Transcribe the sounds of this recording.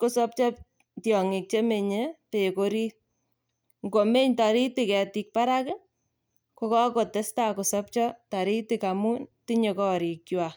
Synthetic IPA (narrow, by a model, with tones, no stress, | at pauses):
ko˦sɔ˦p̚t͡ʃɔ˦p̚ | tjɔ˨ŋi˨k̚t͡ʃe˦me˨ɲepe˨koɾi˦t | ŋɡo˨me˦ɲta˨ɾi˦ti˨kɛ˨ti˧k̚pa˦ɾa˦kɪ | ko˧kɔ˦ko˨te˦sta˦ko˨sɔ˦p̚t͡ʃɔ˦ta˨ɾi˦ti˨kamu˦nti˦ɲe˨kɔ˦˨ɾi˨kt͡ʃwa˨